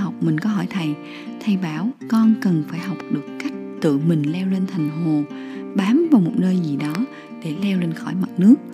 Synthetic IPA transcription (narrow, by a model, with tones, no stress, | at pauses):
ɦa˨˩wk͡p̚mï˨˩ŋ̟kɔ˨˦ɦɔ˧˩jt̪ʰa˨˩j | t̪ʰa˧jɓaː˧˦˩wkɔ˧nkə˨˩nfaː˧˩jɦa˨˩wk͡p̚ɗɨ˨˩əkːa˦˥jk̟̚t̪ɨ̰˧˨mï˨˩ŋ̟lɛ˧wle˧nt̪ʰa˨˩jŋ̟ɦo˨˩ | ɓaː˨˦mvaː˨˩wmo˨˩t̚nəː˧jzi˨˩ɗɔ˨˦ | ɗe˧˩lɛ˧wle˧nxɔ˧˩jma˨˩t̚nɨ˦˥ək̚